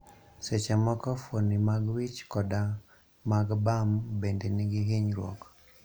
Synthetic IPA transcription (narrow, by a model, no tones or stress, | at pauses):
sɛt͡ʃamɔkɔfonimaɡwit͡ʃkɔda | maɡbambɛndɛniɡiɦeɲɾɔ̰k